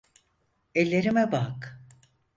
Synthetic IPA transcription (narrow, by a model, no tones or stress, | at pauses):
ɛlʲːe̞ɾimɛbak